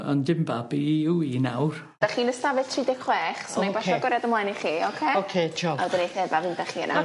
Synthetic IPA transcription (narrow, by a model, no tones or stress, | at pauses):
ɔ̰ndɪmbabiuinawr | d̥aχiːnəstavɛ̥tʰriːdɛkχwɛːχsɔnabaʃɔɡɔɾjadəmlajniχiːokʰeokʰed͡ʒʰɔa̰wdɪnejθɛvavɪnd̥aχiːə̰nʔa